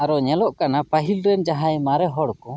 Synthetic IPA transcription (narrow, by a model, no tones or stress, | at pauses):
aɾɔɲɛlɔʔkanapaɦilɾɛnd͡ʒaɦajmaɾɛɦɔɽkɔ